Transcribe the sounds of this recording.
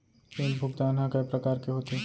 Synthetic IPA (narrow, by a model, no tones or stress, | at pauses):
t͡ʃẽlbʱʊɡd̪aːnɦakɐpɾɐkaːɾkeɦoːt̪e